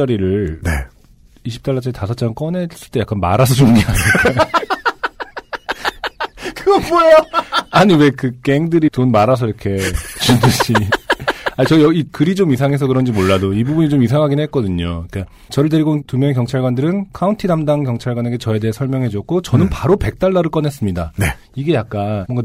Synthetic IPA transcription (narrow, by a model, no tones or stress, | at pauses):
aɾiɾɯɭnḛ | iɕʰi̥p̚t͈aɭːat͡ɕ͈aitasʰʌt͡ɕ͈aɯk͈ʌnes͈ɯɭt͈e̞jak͈anma̰ɾas̬ʰʌd͡ʑomɡeane | kɯɡʌboejoaɲiwe̞kɯk͈eŋdɯɾitonmaɾas̬ʰʌiɾʌkʰe̞t͡ɕoduɕi | at͡ɕʌjʌikɯɾit͡ɕomisʰaŋe̞s̬ʰʌkɯɾʌnd͡ʑimoɭːadoibubuɲit͡ɕomis̬ʰaŋɦaɡinɦek͈ʌdɯɲoik͈a | t͡ɕʌɾɯɭteɾiɡontumjʌŋekjʌŋt͡ɕʰaɭɡwandɯɾɯnkʰauntʰinamdaŋkjʌŋt͡ɕʰaɭɡwane̞ɡe̞t͡ɕʌe̞de̞ɦesʰʌɭmjʌŋɦe̞d͡ʑʌk͈̚ot͡ɕʌnɯnpaɾope̞k̚t͈aɭːaɾɯɭk͈ʌnes͈ɯmɲidane | iɡe̞jak̚k͈anmwʌŋɡa